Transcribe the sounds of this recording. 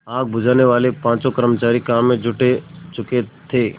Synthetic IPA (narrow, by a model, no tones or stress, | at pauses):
aːɡ̚bʊd͡ʒaːneʋaːlepãːt͡ʃõkəɾmət͡ʃaːɾikaːmːẽd͡ʒʱʊʈet͡ʃʊket̪ʰeː